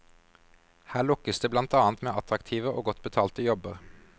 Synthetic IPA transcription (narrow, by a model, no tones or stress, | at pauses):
hæːɭʊkəsd̪eːblɑnt̪ɑːnt̪meːʔɑt̪ʁɑkt̪ʰiːʋəʔo̰ːɡɔt̪bət̪ʰɑːlt̪əjɔbəʁ